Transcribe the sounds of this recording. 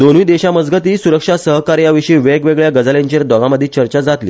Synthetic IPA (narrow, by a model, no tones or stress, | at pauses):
d̪onujd̪eɕaməd͡zɡət̪iːsuɾəkʂasəɦkaɾjaʋiʂiiʋekʋeɡɭjaɡəd͡zəleɲt͡ɕeɾd̪ɔɡaməd̪ʱːit͡ɕəɾt͡ɕad͡zat̪lḭː